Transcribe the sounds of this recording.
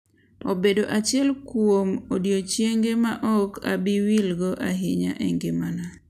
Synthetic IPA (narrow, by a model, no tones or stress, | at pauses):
obedoʔat͡ʃɪɛlkwomodjot͡ʃjeŋɡemaʔɔka̰bɪwilɡɔʔaɦɪɲa̰ʔɛŋɡɪmana